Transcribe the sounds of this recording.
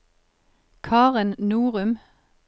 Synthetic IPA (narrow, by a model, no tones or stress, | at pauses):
kʰɑːʁɪnnuːʁʉm